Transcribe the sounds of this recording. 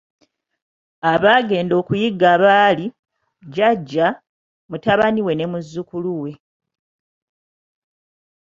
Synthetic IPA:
aβaːɡe̞ːndo̞ːkujiɡːaβaːli | ɟaɟːa | mutaβaniwe̞ne̞muzːukuluwe̞

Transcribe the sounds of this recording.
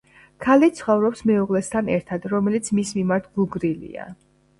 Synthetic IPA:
kʰalit̪sʰχɔvɾɔpsmɛuʁlɛst̪ʰanɛɾt̪ʰad̪̥ɾɔmɛlit̪sʰmismimaɾt̪ʰɡuɡɾilḭa̰

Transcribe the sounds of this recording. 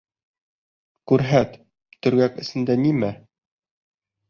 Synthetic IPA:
kʉɾɦæt̪ | t̪ɵ̆ɾɡækɘ̆sɘ̆nd̪ænimæ

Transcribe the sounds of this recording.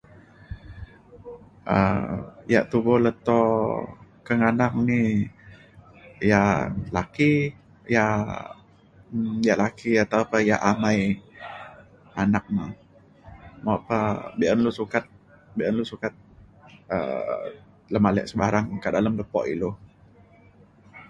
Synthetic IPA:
ʔə̰ | ja̰ʔt̪ubɔlət̪ɔ | kəŋanaŋni | jalaki | ja | jaʔlakiat̪awpajaʔamaj | anak̚ma | maapabiʔənlusukat̪̚ | biʔanlusukat̪̚ə̰ | ləmalɛ̰ʔsəbaɾaŋkədaləmləpɔ̰ʔḭlu

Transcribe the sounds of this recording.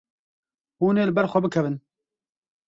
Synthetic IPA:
huːneːlɨbɛɾxʷɛbɨkʰɛvɨn

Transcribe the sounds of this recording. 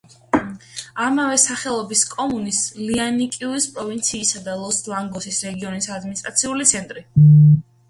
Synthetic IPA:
amavɛsaχɛlˠɔbiskʼɔmunislianikʼiuispʼɾɔvint̪sʰiːsad̪alˠɔsd̪vaŋɡɔsisɾɛɡiɔnisad̪minist̪ʼɾat̪sʰiulit̪sʰɛnt̪ʼɾi

